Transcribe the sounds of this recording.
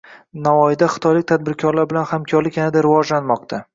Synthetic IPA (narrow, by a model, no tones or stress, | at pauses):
navɒjɪd̪aχɨ̥t̪ʰɒjlɪkʲt̪ʰad̪̚bɪɾkʲʰɒɾlaɾbɪlanhamkʰɒɾlɪkʲanɪd̪aɾɪvɒd͡ʒlanmɒqt̪ʰa